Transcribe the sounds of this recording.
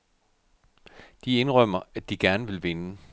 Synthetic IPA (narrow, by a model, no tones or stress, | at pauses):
d̥ie̝nʁœm̰ɐæd̥iɡ̥æɐnəʋe̝lʋe̝nə